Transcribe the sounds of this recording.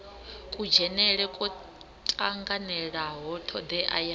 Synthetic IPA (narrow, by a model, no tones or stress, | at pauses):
kʼud͡ʒɛnɛɺɛkʼɔ | tʼaŋɡanɛɺaɦɔtʰɔd̪ɛʔa̰ja